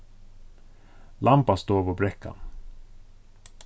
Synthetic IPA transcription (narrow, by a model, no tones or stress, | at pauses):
lʔampast̪oːɾvɔbɾɛkʰːa̰n